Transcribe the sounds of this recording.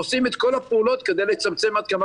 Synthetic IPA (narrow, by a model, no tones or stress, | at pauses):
osime̞t̪ko̞lapeulo̞t̪ked̪ejlet͡samt͡se̞mad̪̚kama